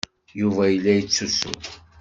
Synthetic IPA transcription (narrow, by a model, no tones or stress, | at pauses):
juvæjəlːæjət͡sːusṵ